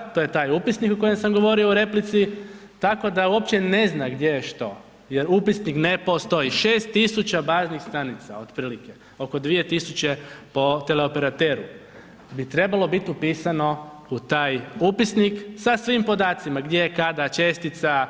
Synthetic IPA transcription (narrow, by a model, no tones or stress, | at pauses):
t̪oːjet̪aːjupisnikuko̞jemsamɡo̞ʋo̞ɾio̞uɾe̞plit̪si | t̪ako̞d̪auo̞pt͡ɕe̞ne̞znaɡd̪je̞jeʃt̪o̞̰ | je̞ɾupisnikne̞post̪o̞iʃe̞ːst̪ːisut͡ɕabaːznixst̪anit̪sa̰o̞d̪pɾiːlike̞ | o̞ko̞d̪ʋije̞t̪isut͡ɕe̞po̞t̪e̞le̞o̞peɾat̪e̞ɾṵ | bit̪ɾe̞balˠo̞bit̪iupiːsano̞ | ut̪aːjupisniksasʋimpo̞d̪aːt̪simaɡd̪je̞jekad̪at͡ʃe̞st̪it̪sa